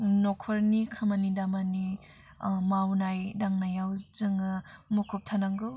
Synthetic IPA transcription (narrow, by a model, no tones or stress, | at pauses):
nɔkʰɔɾnikʰɯmanidamani | mawnajdaŋnajawzɯŋɯmukʰɔp̚tʰanaŋɡɯw